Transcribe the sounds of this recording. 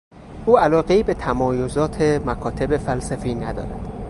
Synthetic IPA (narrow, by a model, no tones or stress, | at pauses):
ʔuːælɒːɣeiːbe̞t̪ʰæmɒːjozɒːt̪ʰemækʰɒːt̪ʰe̞be̞fælsæfiːnæd̪ɒ̰ːɾæ̰d̪̥